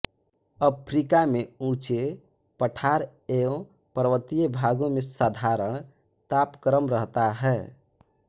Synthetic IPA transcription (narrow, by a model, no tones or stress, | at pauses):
əpʰɾikameũt͡ʃepəʈʰaɾeõpəɾəʋət̪ijəbʱaɡũmesad̪ʱaɾəɳ̃t̪apkəɾəmɾəɦt̪aɦɛ